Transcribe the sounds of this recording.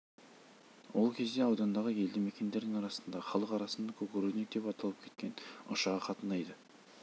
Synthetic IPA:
wo̞lˠkʲʰe̞zd̪e̞ɑwd̪ɑnd̪ɑʁəe̞ld̪ɪmekʲe̞nd̪e̞ɾd̪ɪŋɑɾɑsənd̪ɑχɑlˠəqɑɾɑsənd̪ɑkʲʰɵkʲɵɾenek̚d̪e̞pɑt̪ɑlˠəp̚kʲʰe̞t̪̚kʲe̞nʊ̰ʃɑʁəqʰɑt̪ənɑjd̪ə

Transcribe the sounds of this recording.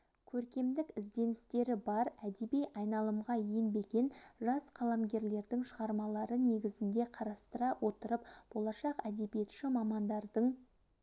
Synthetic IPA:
kʲʰɵɾkʲe̞md̪ɪkɪzd̪e̞nɪst̪e̞ɾɪbɑɾæd̪e̞bijɑjnɑlˠəmʁɑjenbe̞ɡʲenʒɑsqʰɑlˠɑmɡʲe̞ɾle̞ɾd̪ɪŋʃəʁɑɾmɑlˠɑɾəne̞ɡʲɪzɪnd̪e̞qʰɑɾɑst̪əɾɑwo̞t̪əɾəpb̥o̞lˠɑʃɑqæd̪e̞bije̞t̪ʃɪmɑmɑnd̪ɑɾd̪əɴ

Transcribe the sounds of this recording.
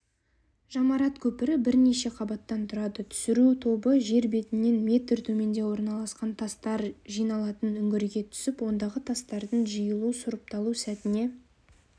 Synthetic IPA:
ʒ̥ɑmɑɾɑt̪kʲʰɵpɪɾɪbɪɾne̞ʃe̞qʰɑbɑt̪ːɑnt̪ʰʊɾɑd̪ət̪ʰʏ̥sɪɾut̪ʰo̞bəʒe̞ɾbe̞t̪ɪnːe̞nme̞t̪ɪrt̪ʰɵme̞nd̪e̞wo̞ɾnɑlˠɑsqɑnt̪ʰɑst̪ɑɾʒijnɑlˠɑt̪ənʏŋɡʲɪɾɡʲe̞t̪ʰʏ̥sɪpwo̞nd̪ɑʁət̪ʰɑst̪ɑɾd̪əɴʒəjəlˠusʊɾəp̚t̪ɑlˠusæt̪ɪne̞

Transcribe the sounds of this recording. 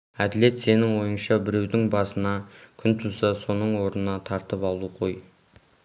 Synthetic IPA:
æd̪ɪle̞t̪se̞nɪŋwo̞jənʃɑbɪɾe̞wd̪ɪŋbɑsənɑkʲʰʏnt̪ʰʊsɑso̞nəɴwo̞ɾnənɑt̪ʰɑɾt̪əpɑlˠuqʰo̞j

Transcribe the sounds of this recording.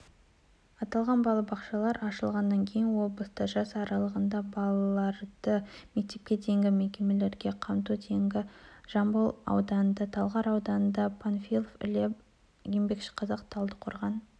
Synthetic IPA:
ɑt̪ɑlˠʁɑnbɑlˠɑbɑqʃɑlˠɑɾɑʃəlˠʁɑnːɑŋkʲʰe̞jɪnwo̞blˠəst̪əʒɑsɑɾɑlˠəʁənd̪ɑbɑlˠɑlˠɑɾd̪̥əme̞k̚t̪e̞p̚kʲe̞d̪e̞ŋɡʲɪme̞kʲe̞me̞le̞ɾɡʲe̞qʰɑmt̪ud̪ʰeŋɡʲɪʒ̥ɑmbəlˠɑ̰wd̪ɑnənd̪ɑt̪ʰɑlˠʁɑɾɑwd̪ɑnənd̪ɑpʰanfilˠofɪ̰lep | jembe̞kʃɪ̥qʰɑzɑqt̪ʰɑlˠd̪əqʰʊɾʁɑn

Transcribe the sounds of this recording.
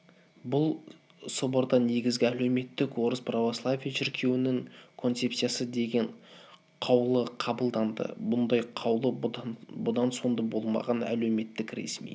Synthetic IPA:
bʊlˠ | soboɾd̪ɑne̞ɡʲɪzɡʲɪæle̞wme̞t̪ːɪkwo̞ɾəspʰrovoslˠavʲijaʃɪɾkʲʰe̞wɪnɪŋkʰo̞nt̪se̞psijasəd̪e̞ɡʲe̞ɴ | qʰɑwlˠəqʰɑbəlˠd̪ɑnd̪ə̰bʊnd̪ɑjqʰɑwlˠəbʊd̪ɑnso̞nd̪ɑbo̞lˠmɑ̰ʁɑnæ̰lewme̞t̪ːɪkɾḛsmḭj

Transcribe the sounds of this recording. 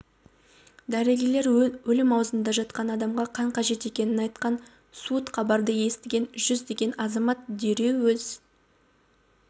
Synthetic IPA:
d̪æɾeɡʲele̞ɾwɵlɪmɑwzənd̪ɑʒɑt̪̚qɑnɑd̪ɑmʁɑqʰɑɴqʰɑʒe̞t̪e̞kʲe̞nɪnɑjt̪qɑn | sut̪qʰɑbɑɾd̪əje̞st̪ɪɡʲe̞nʒʏzd̪e̞ɡʲe̞nɑzɑmɑt̪d̪eɾe̞wwɵz

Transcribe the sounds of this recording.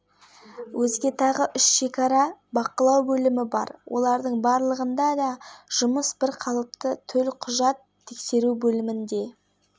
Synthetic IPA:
wʔɵzɡʲe̞t̪ʰɑʁəʔʏʃʃe̞kɑɾɑbɑqəlˠɑwbɵlɪmɪbɑ̰ɾwʔo̞̰lˠɑɾd̪əɴbɑɾlˠəʁənd̪ɑd̪ɑʒ̥ʊməsbɪɾqʰɑlˠəp̚t̪ət̪ʰɵlqʰʊʒɑt̪ʰːekse̞ɾubɵlɪmɪnd̪e̞

